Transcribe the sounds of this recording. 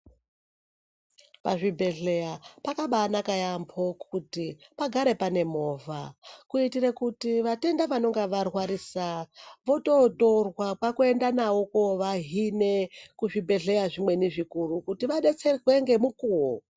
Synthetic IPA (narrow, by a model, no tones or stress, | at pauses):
pa̰ʐibʱe̞ɮe̞apakaɓanakajambʰo̞kutipaɡʱaɾe̞pane̞mo̞ːvʱakuitirekutiʋate̞ndaʋano̞ŋɡeʋarwaɾisaʋo̞to̞torwapakue̞ndanawokoʋaɦine̞kuʐibʱe̞ɮe̞jaʐimwe̞niʐikurukutiʋaɗe̞t͡se̞rwe̞ŋɡe̞mukuwo